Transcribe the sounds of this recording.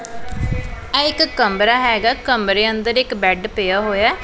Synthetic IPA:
ɛːɪkːəmbɾaːɦɛːɡaːkəmɾeːənd̪əɾɪkbɛːɖpeːaːɦoːjaː

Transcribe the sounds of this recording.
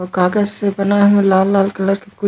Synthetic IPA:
kaːɡəzsebɐnaɦũlaːlːaːlkɐləɾkekʊ

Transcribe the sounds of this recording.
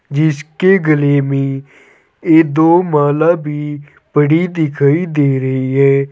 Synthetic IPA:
d͡ʒɪskeːɡəleːmẽː | eːd̪oːmaːlaːbʱiː | pəɽiːd̪ɪkʰaːiːd̪eːɾəiːɦɛː

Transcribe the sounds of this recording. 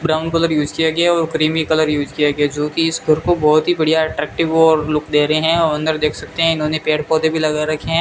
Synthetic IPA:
bɾaːʊnkɐləɾjuːd͡ʒkijaɡɐjaɔːɾkɾiːmikɐləɾjuːd͡ʒkijaɡɐjad͡ʒoːkiɪsɡʱɐɾkobɔːt̪ɦibɐɽ̤ijaɛʈɾɛːk̚ʈɪʋɔːɾlʊkd̪eːɾɐɦeɦɛ̃ɐʋɐ̃nd̪əɾd̪eːkʰsɐk̚t̪eɦɛ̃ɪnɦõːnepeːɽpɔːd̪ebʱilɐɡaɾɐkʰeɦɛ̃

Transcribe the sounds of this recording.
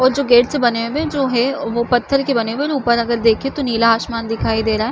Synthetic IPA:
ɔːɾd͡ʒoːɡeːʈsebɐnewed͡ʒoːɦɛʋopɐt̪ʰːəɾkebɐneweuːpəɾɐɡəɾd̪eːkʰet̪oniːlaɦaːʃmaːnd̪ɪkʰaːid̪eːɾaːɦɛː

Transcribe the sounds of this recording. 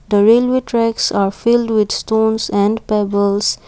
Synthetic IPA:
d̪əɾeːlweːʈɾɛksaɾfɪlɖwɪd̪sʈõːnsɛ̃ɳɖpɛbəls

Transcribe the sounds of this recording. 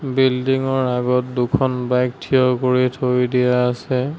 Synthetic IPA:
bildiŋɔɹaɡɔt̚dukʰɔnbajk̚tʰijɔkoɹitʰojdijaːsɛ

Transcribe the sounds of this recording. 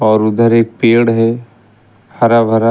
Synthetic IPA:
ɔːɾʊd̪əɾeːk̚peːɽɦɛ | hɐɾabʱəɾa

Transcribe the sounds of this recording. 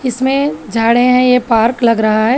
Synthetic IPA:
ɪsmẽd͡ʒʱaːɽẽɦɛ̃jepaːɾklɐɡɾɐɦaɦɛː

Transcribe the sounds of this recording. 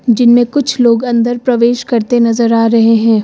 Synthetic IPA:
d͡ʒɪnmẽkʊt͡ʃʰloːɡɐ̃nd̪əɾpɾɐʋeːʃkɐɾt̪enɐzəɾaːɾɐɦeɦɛ̃ː

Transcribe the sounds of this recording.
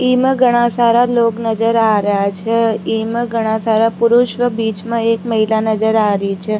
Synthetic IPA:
imɡʱəɽ̃ãsaɾaloknəd͡ʒəɾaɾjat͡ʃʰeimɡʱəɽ̃ãsaɾapuɾuʃʋəbit͡ʃmãekməɦilanəd͡ʒəɾaɾit͡ʃʰe

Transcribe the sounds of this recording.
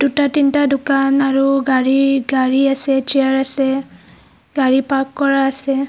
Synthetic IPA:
d̥utatintadʊkanaɹuɡaɹiɡaɹiasɛt͡ʃiaɹasɛ | ɡaɹipakːɔɹaːsɛ

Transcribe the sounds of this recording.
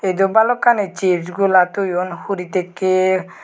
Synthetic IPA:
ed̪obalɔkanet͡ʃiɾd͡ʒɡulat̪ujɔnhuɾit̪ekːe

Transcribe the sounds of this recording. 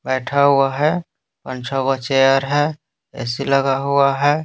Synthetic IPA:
bɛːʈʰaɦuaɦɛ | pənt͡ʃʰaɦʊɡat͡ʃejəɾɦɛ | ɛ̰siləɡaɦuaɦɛ

